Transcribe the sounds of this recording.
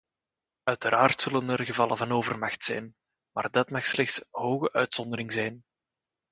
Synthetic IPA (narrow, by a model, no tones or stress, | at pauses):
œɥtəɾʔaːrtsɵlənərɣəvɑlˠəvɑnoːvərmɑxtsɛ̰jn | maːrdɑtmɑxslɛxtsɦoːɣəʔœɥtsɔnd̪əɾɪŋzɛjn